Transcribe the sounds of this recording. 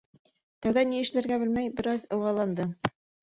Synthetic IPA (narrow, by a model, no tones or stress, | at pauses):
t̪ɑwðɑniɘ̆ʃlæ̆ɾɡæbɘlmæjbɘ̆ɾɑðɤ̆wʁɑlˠɑnd̪ɤ